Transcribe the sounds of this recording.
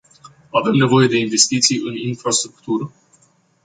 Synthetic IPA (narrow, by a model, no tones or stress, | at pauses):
ave̞mne̞vo̞je̞d̪e̞inve̞st̪it̪sijɨninfɾast̪ɾukt̪uɾə